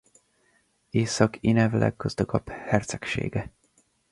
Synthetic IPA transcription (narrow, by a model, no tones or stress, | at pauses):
eːsɒkinɛvlʔɛ̰ɡːɒzd̪ɒɡɒphɛrt̪sɛkʃḛːɡɛ